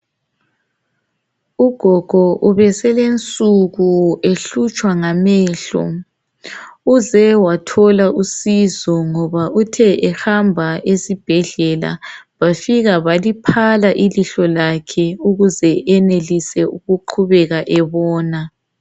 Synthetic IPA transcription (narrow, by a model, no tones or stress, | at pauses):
uɡ̥ʱɔɡ̥ʱɔʔuβɛsɛlent͡sʼuɣueɬut͡ʃʼwaŋamɛːɬɔ̰ | uzɛwatʰɔlaʔusizɔŋɔβautʰɛʔɛhambʱaʔesib̥ʱɛɮɛla̰βafiɣaβalipʰalaʔiliɬɔlakʰɛuɣuzɛʔɛnelisɛuɣuǃʰuβɛɣaʔɛβɔːna